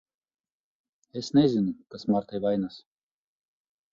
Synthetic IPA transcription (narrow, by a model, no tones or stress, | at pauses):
esnɛzʲinukasmaɾt̪ʰajvajnas